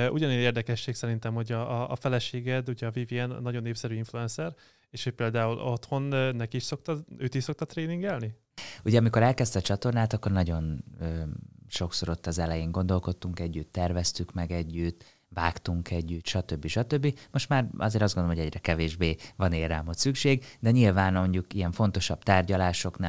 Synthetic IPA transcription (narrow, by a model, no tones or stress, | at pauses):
ʔuɟɒneːeːrd̪ɛkɛʃːeːksɛɾint̪ɛmho̞ɟɒ̰ːfɛlɛʃeːɡɛd̪uɟɛɒviviɛnnːɒɟo̞nːeːpfsɛɾyːiɱfluɛnsɛr | eːʃho̞c̚peːld̪aːulʔo̞t̪ho̞nnɛkiiʃso̞k̚t̪ɒøːt̪iʃso̞k̚t̪ɒt̪reːniŋɡɛlni | uɟɛɒmiko̞ɾɛlkɛst̪ːt͡ʃɒt̪o̞rnaːt̪ɒkːo̞rnɒɟo̞nøːʃo̞kso̞ɾo̞t̪ːɒzɛlɛjeːŋɡo̞nd̪o̞lko̞t̪ːuŋkɛɟːyt̪ːɛrvɛst̪ykmɛɡɛɟːyt̪ | vaːkt̪uŋkʰɛɟːyt̪ʃɒt̪øbːiʃɒt̪øbːimo̞ʃt̪maːrɒ̰zeːɾɒzɡond̪omːɟɛɟrɛkɛveːʒbeːvɒneːɾaːmot̪sykʃeːɡd̪ɛɲilvaːnmoɲɟukijɛɱfo̞nt̪o̞ʃɒb̥t̪aːrɟɒlaːʃo̞knaː